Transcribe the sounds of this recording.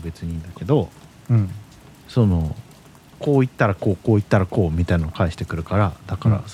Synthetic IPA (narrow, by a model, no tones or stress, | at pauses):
be̞t͡sɨɲ̟ĩːnd̪ake̞d̪õ̞ | so̞no̞ | ko̞ːit̪ːaɾako̞ːko̞ːit̪ːaɾako̞ːmʲit̪ainanokaiɕi̥t̪e̞kɯ̟ɾɯ̟kaɾad̪akaɾa̰